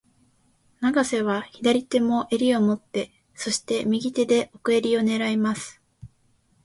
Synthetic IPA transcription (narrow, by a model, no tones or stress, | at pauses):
naɡase̞βaçid̪aɾʲit̪e̞mo̞ʔe̞ɾʲio̞mo̞t̪ːe̞ | so̞ɕi̥t̪e̞mʲiɡʲit̪e̞d̪e̞ʔo̞kɯ̟e̞ɾʲio̞ne̞ɾaimasɨ̥